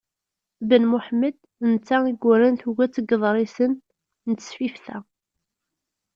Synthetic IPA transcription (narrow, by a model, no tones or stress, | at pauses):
bənmʊħmːəd̪̥ | ənt͡sːaiɡʷːʊɾænθuɡæt͡sːəɡəðˤɾˤisən | nət͡s̪ːə̥sfifθæ